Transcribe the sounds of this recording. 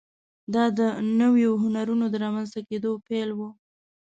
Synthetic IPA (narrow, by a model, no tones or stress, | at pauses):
d̪ɑd̪ənəwjoɦʊnaɾunod̪əɾɑmanzt̪aked̪opelwo